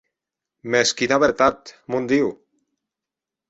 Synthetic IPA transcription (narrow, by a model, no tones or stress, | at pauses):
meskinaβet̪at̪mund̪iw